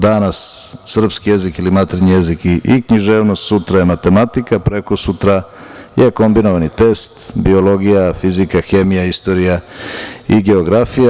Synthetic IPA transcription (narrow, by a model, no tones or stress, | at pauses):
d̪anasːr̩pskije̞zikilimat̪ɾeɲijezikiʔikɲiʒeːʋnost̪sut̪ɾajemat̪e̞mat̪ikapɾe̞kosut̪ɾa | jeko̞mbino̞ʋanit̪e̞st̪bio̞lo̞ɡijafizikaxe̞mijaist̪o̞ɾija | iɡe̞oɡɾafija